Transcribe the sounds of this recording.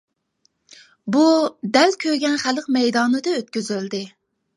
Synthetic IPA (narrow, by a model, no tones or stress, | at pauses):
bud̪ɛlkʲʰøɡʲɛnχælq̚mɛjd̪ɑːnɨd̪ɨøt̪̚kʲyzyld̪ɪ